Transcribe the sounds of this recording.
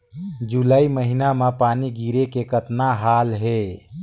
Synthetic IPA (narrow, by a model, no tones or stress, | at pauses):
d͡ʒulaːiməɦinamepaːniɡiːɾekekət̪naɦaːlɦe